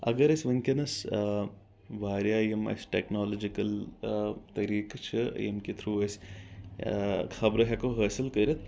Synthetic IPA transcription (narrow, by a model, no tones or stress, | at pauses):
ɐ̰ɡɐɾɐsʲʋɐŋkʲɐnɐs | ʋaːɾʲjaːjemɐ̰sʈeːknoːlod͡ʒikɐl | t̪ɐɾiːkt͡ʃʰɨ̰jḛmkit̪ʰɾuːɐsʲ | kʰɐbɾɐɦɐkoɦəːsilkɐɾʲɐt̪̚ʰ